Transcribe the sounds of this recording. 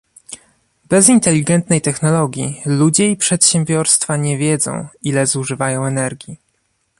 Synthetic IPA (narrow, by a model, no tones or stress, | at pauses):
bɛzint̪ɛlʲːiɡɛnt̪nɛjt̪ɛxnɔlɔɡʲjilud͡ʑɛipʂɛt̪ɕɛmbʲjɔɾst̪faɲɛvʲjɛd̪zɔ̰̃w̃ilɛzuʐɘvajɔ̃w̃ɛnɛɾɡʲji